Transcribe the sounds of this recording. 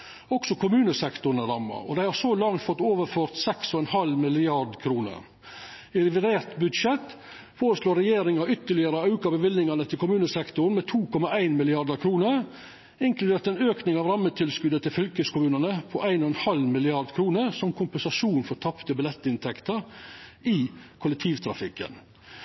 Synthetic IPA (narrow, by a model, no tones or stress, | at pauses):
ɔksɔkʰʊmʉːnəsɛkt̪ʊɾnəɾɑmːɑ̰ɔ̰d̪æɪhɑɾsolɑŋt̪fɔt̪ːoːʋəɾføːɾt̪sɛksɔɛnhɑlmɪlɪɑɾɖ̪kʰɾuːnə̰ɾ | ɪɾɪʋɪɾeːɾt̪bʉd̪ʂɛt̪ː | foːɾəsloːɾɛjeːɾɪŋɑʏt̪ːəɭɪəɾəɑʉkɑbəʋɪlnɪŋɑnət̪ʰɪlkʊmʉːnəsɛkt̪ʊnmɛt̪ʰuːkʰɔmɑæɪnmɪlɪɑɾd̪əɾkʰɾuːnəɾ | ɪŋklʉd̪eːɾt̪ɛnøːknɪŋɑːʋɾɑmːət̪ʰɪlskʉd̪ət̪ʰɪlfʏlkəskʰʊmʉːnənəpʰɔʔæɪnɔɛnhɑlmɪlɪɑɾd̪kʰɾuːnəɾsɔmkʰʊmpənsɑʂuːnfɔɾt̪ʰɑpt̪əbɪlɛt̪ːɪnt̪ʰɛkt̪əɾɪkʰʊlɛk̚t̪ʰiːʋt̪ʰɾɑ̰fɪkːə̰n